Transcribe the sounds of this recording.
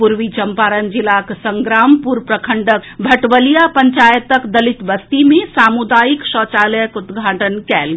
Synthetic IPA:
puɾʋit͡ʃəmpaɾənd͡ʒilaksəŋɡɾampuɾpɾəkʰəɳɖəkbʱəʈʋəlijapəɲt͡ʃajət̪əkd̪əlit̪ʋəst̪imesamud̪ajiksɔt͡ʃaləjəkut̪ɡʱaːʈənkɛlɡ

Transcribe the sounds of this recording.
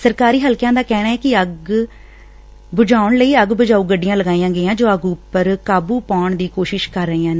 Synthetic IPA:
səɾkaːɾiːɦəlkjãːd̪aːkɛːɽaːɛːkɪəɡ | bʊd͡ʒaːʊɳləiːəɡbʊd͡ʒaːuːɡəɖɪjãːləɡaːijãːɡəːãːd͡ʒoːəɡʊpːəɾkaːbuːpaːɳd̪iːkoːʃɪʃkəɾːəiːãːn

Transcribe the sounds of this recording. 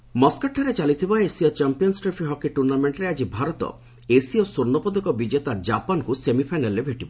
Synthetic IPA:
mɔskaʈʰːaɾet͡ʃalit̪ʰibaesiɔt͡ʃampiɔnsʈɾepʰiɦɔkiʈuɾnameɳʈɾead͡ʒibʱaɾɔt̪ɔ̰ | esiɔsuɾnɔpɔd̪ɔkɔbid͡ʒet̪ad͡ʒapankusemipʰajnalebʱeʈibɔ

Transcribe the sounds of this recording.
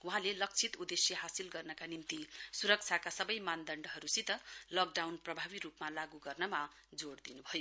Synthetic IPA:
uɦãlelʌk̚t͡sʰit̪ud̪esjʌɦasilɡʌrnʌkanint̪isuɾʌk̚t͡sʰakasʌbʌjmand̪ʌɳɖʌɦʌɾusit̪ʌlʌk̚ɖawnprʌbʱabiɾupmalaɡuɡʌrnʌma | d͡zoɽd̪inubʱʌjo

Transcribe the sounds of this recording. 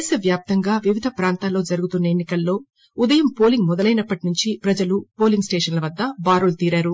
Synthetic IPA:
sɐʋjaːp̚t̪ɐŋɡaːʋiʋid̪ʱɐpɾaːnt̪aːlːo̞ːd͡ʒɐɾuɡut̪unːɐe̞nːikɐlːo̞ː | ud̪ɐjɐmpo̞ːliŋɡmɔd̪ɐlɐjnɐpːɐʈinuɲt͡ʃipɾɐd͡ʒɐlupo̞ːliŋɡsʈe̞ːʂɐnlɐʋɐd̪ːɐbaːɾult̪iːɾaːɾu

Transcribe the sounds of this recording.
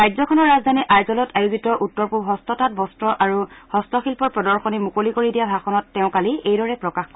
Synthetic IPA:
ɹajzɔkʰɔnɔɹːazd̪ʱaniʔajzɔlɔtʰajuzitɔʔutːɔɹpuɦɔstɔtat̚bɔstɹɔʔaɹuhɔstɔxilpɔɹpɹɔdɔɹxɔnimukolikoɹidijabʱaxɔnɔtːɛʊ̃kaliejdɔɹɛpɹɔkaxkɔ

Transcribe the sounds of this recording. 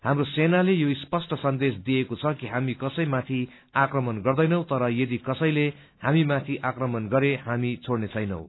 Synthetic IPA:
hamrosenalejoispʌsʈʌsʌnd̪esd̪iekot͡sʰʌkiɦamikʌsʌjmat̪ʰi | akrʌmʌnɡʌrd̪ʌjnʌw̃t̪ʌɾʌjʌd̪ikʌsʌjle | hamimat̪ʰiʔakrʌmʌnɡʌɾehamit͡sʰoɽnet͡sʰʌjnʌ̰w̃

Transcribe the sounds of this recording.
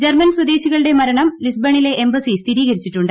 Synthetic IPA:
d͡ʑermɐnswɐd̪eːɕiɣɐɭɨɽe̞mɐɾɐɳɐmlisbɐɳile̞ʔembɐsist̪ʰiɾiːɣɐɾit͡ɕːiʈːuɳɖɨ

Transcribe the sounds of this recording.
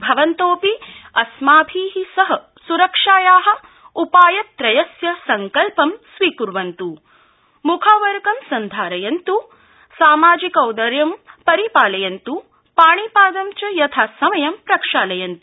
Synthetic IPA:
bʱɐʋɐnt̪oːpiɐsmaːbʱiːɦisɐɦɐ | suɾɐkʂaːjaːɦɐ̆ | upaːjɐt̪ːɾɐjɐsjɐsɐŋkɐlpɐmsʋiːkuɾʋɐnt̪u | mukʰaːʋɐɾɡɐmsɐnd̪ʱaːɾɐjɐnt̪u | saːmaːd͡ʒikɐwd̪ɐɾjɐmpɐɾipaːlɐjɐnt̪u | paːɳipaːd̪ɐmt͡ʃɐjɐt̪ʰaːsɐmɐjɐmpɾɐkʂaːlɐjɐnt̪u̥

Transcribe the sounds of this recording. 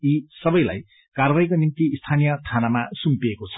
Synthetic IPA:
isʌbʌjla̰j | karbajkonint̪iːst̪ʰanijʌtʰanamasumpiekot͡sʰʌ̥

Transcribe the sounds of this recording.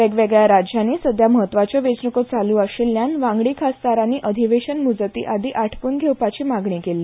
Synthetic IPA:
ʋeɡʋeɡɭjaɾad͡ʑjanːiːsəd̪ʱjaməɦət̪ːʋat͡ɕjəʋet͡ɕnəkot͡saluːaɕilːjanʋãŋɡɭikʰast̪aɾaniːʔəd̪ʱiʋeɕənmud͡zt̪ḭːʔad̪iːʔaʈʰkuːnɡʱewpat͡ɕiːmaɡɳikelːiː

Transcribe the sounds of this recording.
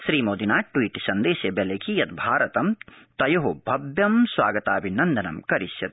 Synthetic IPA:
sɾiːmoːd̪inaːʈwiːʈsɐnd̪eːsjɐbelekʰijɐt̪bʱaːɾɐt̪ɐmt̪ɐjoɦobʱɐbjɐmswaːɡɐt̪aːbʱinɐnd̪ɐnɐ̰mkɐɾisjɐt̪̚

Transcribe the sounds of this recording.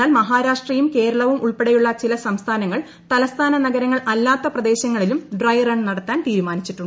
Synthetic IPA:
aːlmɐɦaːɾaːʂʈrijumke̞ːɾɐɭɐʋumʔuɭpeɽejuɭːɐt͡ɕilɐsɐmst̪ʰaːnɐŋːɐɭ | t̪ɐlɐst̪ʰaːnɐnɐɡɐɾɐŋːɐɭʔɐlːaːt̪ːɐprɐd̪e̞ːɕɐŋːɐɭilumɖrɐjrɐɳɖnɐɽɐt̪ːaːnt̪iːɾumaːnit͡ɕːiʈːuɳɖ

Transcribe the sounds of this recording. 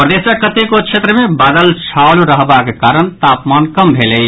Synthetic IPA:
pɾəd̪esəkət̪ekokt͡ʃʰet̪ɾəmebaːd̪əlt͡ʃʰawlɾəɦbakekaɾəñt̪apmankəmbʱeləj

